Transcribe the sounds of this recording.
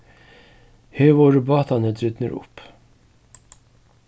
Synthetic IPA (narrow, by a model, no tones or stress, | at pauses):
heːʋoːɾəbɑːt̪ɑnəd̪ɾʏd̪nə̰ɾʊ̰p